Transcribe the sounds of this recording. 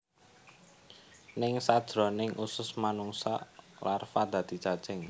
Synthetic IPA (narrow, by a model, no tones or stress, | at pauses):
nɪŋsad̥ʒ̥ɾɔ̤nɪŋʔusʊsmanuŋsa̰larfad̪̥ä̤d̪̥i̤t͡ʃḁt͡ʃɛŋ